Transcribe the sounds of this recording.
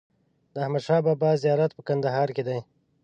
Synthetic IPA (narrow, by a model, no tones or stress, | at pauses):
d̪əahmad̪ʃɑːbɑːbɑzijɑːɾat̪̚pəkand̪aɦɑːɾked̪aj